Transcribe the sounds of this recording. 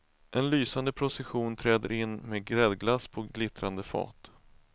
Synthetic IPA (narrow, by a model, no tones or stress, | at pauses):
ʔɛnlyːsand̪əpʰɾʊsɛɧuːnt̪ʰɾɛːd̪ə̰ɾɪnːmeːɡɾɛd̪ɡlaspʰɔɡlɪt̪ɾand̪əfɑ̰ːt̪